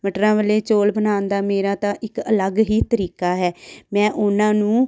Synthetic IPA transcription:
ʋəʈɾãːʋəleːt͡ʃoːlbənaːnd̪aːmeːɾãːt̪ãːʔɪkələɡɦiːt̪əɾiːkaːɦɛːmɛ̃ːʔʊnãːnũː

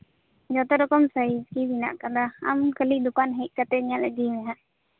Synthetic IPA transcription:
d͡ʒɔt̪ɛɾɔkɔmsaid͡ʒkidina̰ʔkad̪aa̰mkəliʔd̪ukanɦɛt̚ˀkat̪ɛɲaʔlɛɡimɛɦaʔ

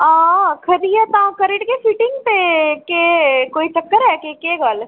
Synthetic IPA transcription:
ãːkʰɐɾiɛt̪ãkɐɾɪʈkesiːʈɪ̃ŋɡpekekoːit͡ʃɐkːəɾɦɛkekeːɡaːl

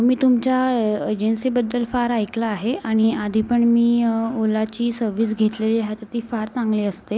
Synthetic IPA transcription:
miːt̪umt͡ɕaed͡ʑensiːbəd̪ːəlfaɾajklaːɦeaɽ̃iad̪ʱipəɳmiːolat͡ɕiːsəɾʋiːs̬ɡʱet̪leliːaɦet̪ət̪iːfaɾt͡sãŋɡliːəst̪e

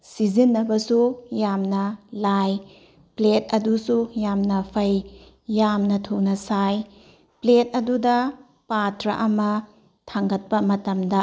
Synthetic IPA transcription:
sizinːɐbɐsujamnɐlaj | plet̚ɐdusujamnɐpʰɐjː | amnɐtʰunɐsaj | plet̚ɐdudɐ | patɾɐ̰ʔɐmɐ | tʰaŋɡɐt̚pɐmɐtɐmdɐ

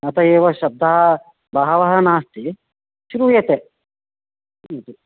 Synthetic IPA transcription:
ɐt̪ʰɐjeːʋɐʃɐb̚d̪ʱɐɦɐ | bɐɦɐʋɐɦɐnaːst̪i | ʃuɾujeːt̪e | t̪u

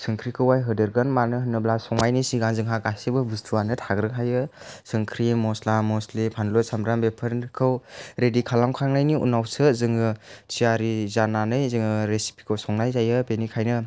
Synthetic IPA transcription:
sɯŋkʰɾikʰɯwajɦɯdɯɾɡanmanɯɦɯnːɯblasɔŋajnisiɡanzɯŋɦakasibɯbɯstʰuanɯtʰaɡɾɯkʰajɯsɯŋkʰɾimɔslamɔslipʰanlɔsamɾambepʰɯɾnkʰɯwɾedikʰalamkʰaŋnajniṵnawsɯzɯŋɯt͡ʃiaɾizananɯjzɯŋɯɾesi̥pʰi̥kʰɯwsɔŋnajzajɯbenikʰajnɯ

